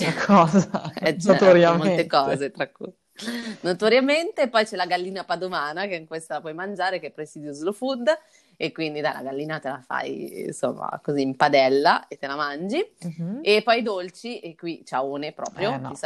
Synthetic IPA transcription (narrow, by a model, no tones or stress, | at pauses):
kʰɔːzaɛt͡ʃoɛt̪oɾjammolet̪ekɔːzet̪ɾakːṵj | not̪oɾjament̪epːɔjt͡ʃɛlaɡalːiːnapad̪omaːnakeiŋkwest̪alapwɔjmand͡ʒaːɾek̟epːɾesiːd̪josulofud̪ | ekwind̪id̪ajla̰ɡalːiːnat̪elafa̰jnso̰mːa̰koziːmpad̪ɛlːaet̪ːelamand͡ʒiepːɔjd̪olt͡ʃiʔekːwit͡ʃaoːnepɾɔ̰ːpɾjos